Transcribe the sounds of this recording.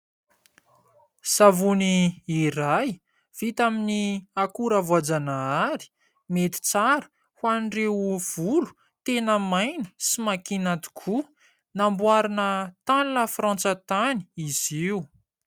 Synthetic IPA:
savuniːraj | v̥it̪aminiakuɾavuad͡zanaaɾi̥ | met̪i̥t͡saɾə̥ | hwanɖ͡ʐewv̥ulu̥ | t̪enəmajnə̥simakinat̪i̥kʰu | nambuaɾanət̪anlafrãnt͡sət̪ani̥iz̥iu

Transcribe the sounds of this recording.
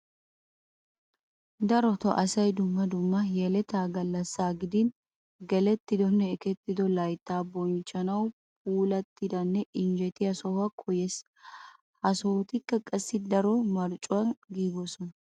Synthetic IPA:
d̪ɐɾɔt̪ɔʔɐsɐjd̪ʊmːɐd̪ʊmːɐjɛlɛt̪aːɡɐlːɐsːaːɡɪd̪ɪn | ɡɛlɛt̪ːɪd̪ɔnːɛːkɛt̪ːɪd̪ɔlɐjt̪ːaːbɔnt͡ʃːɐnɐw | puːlɐt̪ːɪd̪ɐnːɛʔɪnd͡ʒɛt̪ɪjɐsɔhɐkʰɔjɛs | hɐsoːt̪ɪkːɐkʼɐsːɪd̪ɐɾɔmɐɾt͡ʃʼːʊwɐnɡiːɡɔsɔn

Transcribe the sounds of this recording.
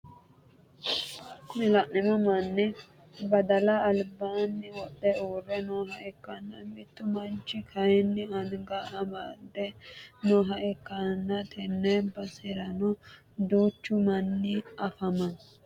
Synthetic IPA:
nɪlɐʔnɪmɐmɐnːɛ | bɐd̪ɐlɐːlbaːnːɪwɔɗɛuːrɛnoːɦɐʔɛkːɐnːɐmɪt̪ːʊmɐnt͡ʃːɪkʰɐjɛnːɪɐnɡɐɐmɐd̪ɛnoːɦɐʔɛkːɐnːɐt̪ʰɛnːɛbɐsɪɾɐnɔ | d̪uːt͡ʃːʊmɐnːɪɐfɐmɐn

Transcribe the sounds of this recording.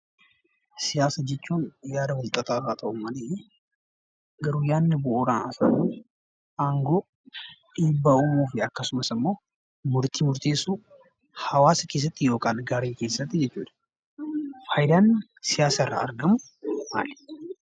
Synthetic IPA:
sɪjaːsɐd͡ʒɛt͡ʃːunjaːd̪ɐwʊlt̪ʼɐt̪ʰʼafat̪ʼɐʔʊmːanɪje | ɡɐɾujaːnːbooɾana̰sanu | ʔaŋɡo | ɪbːaʊmufiɐkːɐsʊmɐsɨmːoː | mʊɾt̪ʰimʊɾt̪ʰeːsu | hɐwaːskes̬ɐt̪ʼːɪjokʼalɡaːɾekeːsɐt̪ːɪd͡ʒɛt͡ʃːud̪ | fajd̪an | sɪjaːsɐrːa̰ːɾɡɐmu | ma̰l

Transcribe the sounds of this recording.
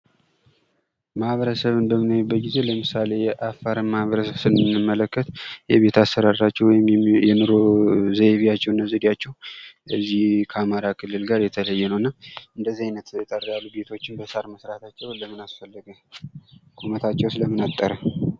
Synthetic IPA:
mahβəɾəsəβɨnbəmɨnajbːət̪̚ɡize̞ləmɨsale̞jɛʔafːaɾɨnmahβəɾəsəβsɨnɨnɨmːələkːət̪jɛβe̞t̪ʰasəɾad̪ɾat͡ʃːɛwɔjɪmjɛnɨɾozəβijat͡ʃːɛwɨnːəzid̪jat͡ʃːɛwɨzːihkʰəamaɾakʰɨlːɨlɡaɾjɛt̪ʰələjːɛnəwɨnːaʔɨnd̪əzːiajnət̪jɛt̪ʼərjalːube̞t̪ʰo̞t͡ʃːɪnbəsaɾməsɾat̪ʰat͡ʃːɛwləmɨnasfəlːəɡə | kʼumət̪ʰat͡ʃːɛwsləmɨnat̪ʼːəɾə

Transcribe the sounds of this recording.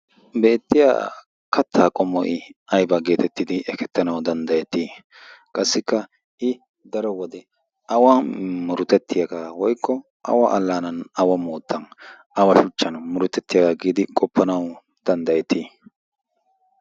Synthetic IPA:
be̞ːt̪ːɪja̰ | kɐt̪ːaːkʼɔmːɔ̰ʔɪɐjbɐɡe̞ːt̪ɛt̪ːɪd̪ɪʔɛkɛt̪ːɐnɐwd̪ɐnd̪ɐjɛt̪ːiː | kʼɐsːɪkːɐ | ʔɪ | d̪ɐɾɔwɔd̪ɛ | ɐwɐmʊɾʊt̪ɛt̪ːɪjɐɡawɔjkːɔ | ʔɐ̰wɐʔɐlːaːnɐnɐwɐmoːt̪ːɐn | ʔɐwɐʃʊt͡ʃːɐnmʊɾʊt̪ːɛt̪ːɪjɐkɐɡiːd̪ɪkʼɔpːɐnɐw | d̪̥ɐnd̪ɐjɛt̪ːiː

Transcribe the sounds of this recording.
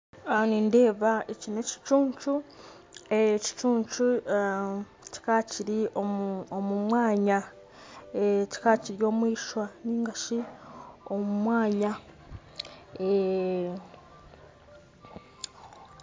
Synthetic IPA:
ninde̞ːβaecine̞ci̥t͡ʃuːɲt͡ʃu | eci̥t͡ʃuːɲt͡ʃu | ci̥kaːciɾioomumwaːɲa | eci̥kaːciɾjo̞ːmwiːʃwaniːŋɡaʃi | o̞mumwaːɲa | e

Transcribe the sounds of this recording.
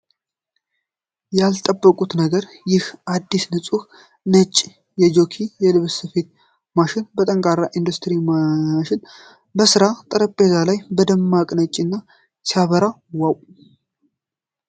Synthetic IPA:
jalt̪ʼəbːəkʼut̪nəɡəɾjɪhʔad̪ːisnɨt͡sʼuh | nət͡ʃʼː | jɛd͡ʒo̞kʰijɛlɨβsəfe̞t̪̚ | maʃɪnbət̪ʼəŋkʼaɾːaʔind̪ust̪ʰʼɨɾimaʃɪn | bəsɨɾat̪ʼəɾəpʼːezalajbəd̪əmːakʼnət͡ʃʼːinːa | saβəɾa | waw

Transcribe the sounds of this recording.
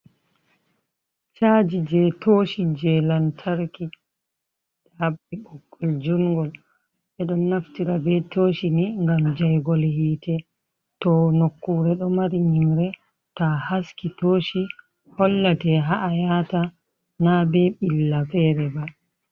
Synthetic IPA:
t͡ʃaːd͡ʒid͡ʒɛtʰoːʃid͡ʒɛlantʰaɾki | ɗabːiɓɔkːɔld͡ʒuŋɡɔl | ɓɛɗɔnːaftiɾabɛtʰoːʃiniŋɡamd͡ʒajɡɔlhiːtʰɛ | tɔnokːuɾɛɗɔmaɾiɲimɾɛ | tahaskitoːʃi | hɔlːatɛɦaʔajata | nabɛɓilːafɛːɾɛba

